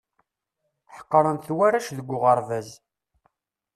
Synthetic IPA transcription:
ħə̥qːɾˤənθwæɾæʃðəɡʷːʊʁəɾˤvæz

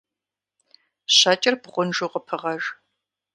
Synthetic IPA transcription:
ɕɐt͡ʃʼɐrpʁʷʊnʒuːqəpʰɨʁɐʒ

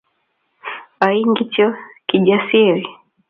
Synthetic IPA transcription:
aiŋɡitɔkiʄasiɾi

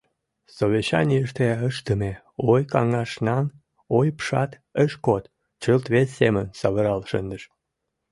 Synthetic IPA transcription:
soβʲeɕɑ̰nʲiəʃt̪eəʃt̪əme | ojkɑŋɑʃnɑn | ojpʃɑt̪ | əʃkot̪ | t͡ɕəlt̪βesːemənsɑβəɾɑlʃənd̪əʃ

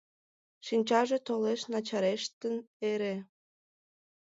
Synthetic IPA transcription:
ʃinʲt͡ɕɑʒet̪oleʃnɑt͡ɕɑɾeʃt̪əneɾe

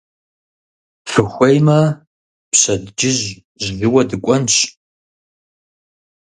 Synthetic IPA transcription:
fɨxʷejmɐ | pɕɐdd͡ʒɪʑ | ʑzɨwɐdɨkʷʼɔnɕʼ

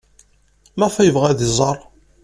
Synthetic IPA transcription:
mæfæjəvʁæðzˤɑɾˤ

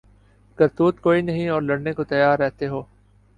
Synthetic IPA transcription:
ɡɐɾt̪uːt̪koːinɐɦĩɔːɾlɐɽnekot̪ɐjaːɾːɛɦt̪eɦoː

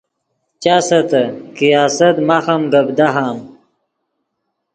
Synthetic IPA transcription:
t͡ɕaːsɐt̪ɐkijaːsɐt̪maxɐmɡɐbd̪aɦaːm

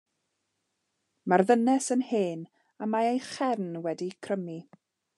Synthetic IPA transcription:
marðənɛsənheːn | amaejχɛrnwɛdikʰrəmi

